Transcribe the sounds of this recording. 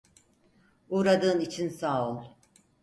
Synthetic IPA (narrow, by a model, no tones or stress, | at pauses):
uːɾad̪ɯːnit͡ʃʰinsaːolˠ